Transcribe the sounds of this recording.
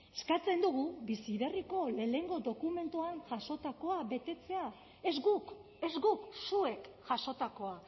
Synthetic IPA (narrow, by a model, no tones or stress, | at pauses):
eskat͡se̞nd̪uɣubisiβe̞riko̞le̞ne̞ŋɡo̞d̪o̞kume̞nt̪uanʝaʃo̞t̪ako̞aβe̞t̪e̞t͡se̞a | e̞zɡuk | e̞zɡuksue̞kʝaʃo̞t̪ako̞a